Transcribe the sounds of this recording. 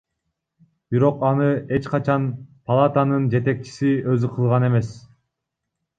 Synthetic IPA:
b̥iɾo̞qɑnɯe̞t͡ʃqɑt͡ʃɑnpʰɐlˠat̪anɯnd͡ʒe̞t̪e̞k̚t͡ʃi̥siø̞zyqʰɯlˠʁɑne̞me̞s

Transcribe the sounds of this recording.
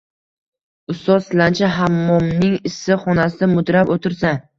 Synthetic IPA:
ʊst̪ɒsɪlant͡ʃʰaɦamːɒmnɪŋɪsːɪχɒnasɪd̪amʊd̪ɾapot̪ʰɪɾsa

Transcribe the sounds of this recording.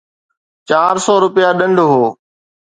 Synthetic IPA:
t͡ɕaːɾsɔːɾʊpɪjaɗə̃ɳɖɦoː

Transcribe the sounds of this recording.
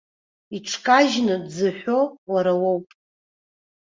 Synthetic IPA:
iʈ͡ʂʰkʼaʒnɨdzɨħʷᶣowaɾawowpʼ

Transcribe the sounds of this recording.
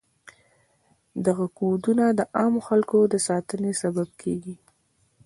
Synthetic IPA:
d̪aɣakod̪unad̪əʔɑmoxalkod̪əsɑt̪ənesabab̚kʰeɡi

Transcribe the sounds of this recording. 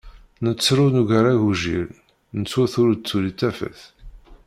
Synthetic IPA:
nət͡sːɾunuʝəɾæʝuʒḭɾ | nət͡sːwæθʊɾt͡sːulit͡sːæfə̰θ

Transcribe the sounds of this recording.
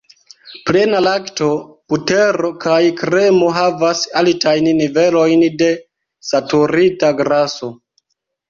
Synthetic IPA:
ple̞nalakto̞puteɾo̞kʰajkɾe̞mo̞ɦavasaltajnːive̞lo̞jnde̞ | satuɾitaɡɾaso̞

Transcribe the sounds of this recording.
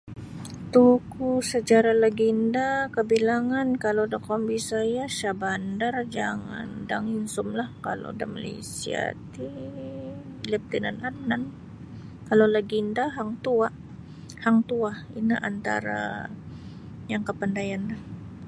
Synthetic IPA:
t̪ukusət͡ʃaɾaləɡindakəbilaŋankalodakɔmbisajaʃabandard͡ʒa̰ŋa̰nda̰ŋinsʊmlahkalo̰da̰ma̰lḛsḭa̰t̪i | ləp̚t̪inananːan | kalolaɡindaɦaŋt̪uaʔ | haŋt̪uahḭnaʔa̰nt̪a̰ɾa̰ | jaŋkəpandajanlah

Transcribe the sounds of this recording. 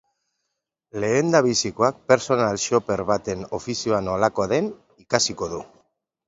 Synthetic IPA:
le̞ːnd̪aβisikoak̚pe̞ɾso̞nalʃo̞pe̞ɾβat̪e̞no̞fisioano̞lako̞aðe̞n | ikasiko̞ðu

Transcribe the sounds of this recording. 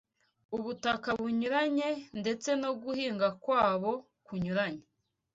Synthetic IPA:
uβutakaβuɲuɾaɲe̞nde̞t͡se̞no̞ɡuhiːŋɡakwaːβo̞ | kuɲuɾaɲe

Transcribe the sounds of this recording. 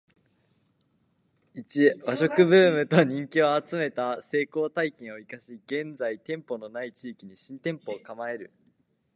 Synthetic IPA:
it͡ɕiβaɕo̞kɯ̟bɯ̟ːmɯ̟t̪oɲ̟ĩŋkʲioat͡sɨme̞t̪ase̞ːko̞ːt̪aikẽɰ̃o̞ikaɕiɡ̥ẽ̞nd͡zait̪ẽ̞mpo̞no̞nait͡ɕiːkʲiɲ̟iɕĩnt̪ẽ̞mpo̞ːkamae̞ɾɯ̟

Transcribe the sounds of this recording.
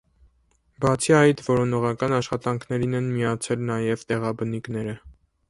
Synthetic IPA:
bɑt͡sʰiɑjt̪vɔɾɔnɔʁɑkɑnɑʃχɑt̪ɑŋkʰnɛɾinɛnmiɑt͡sʰɛlnɑjɛvt̪ɛʁɑbənikn̪ɛɾə

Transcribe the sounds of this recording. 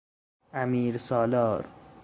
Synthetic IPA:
amiːɾsɔːlɒːɾ

